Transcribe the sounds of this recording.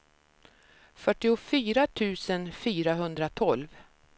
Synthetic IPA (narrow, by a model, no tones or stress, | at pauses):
fœʈːɪʊfyːɾat̪ʰʉ̟ːsənfyːɾaɦɵnd̪ɾat̪ʰɔlv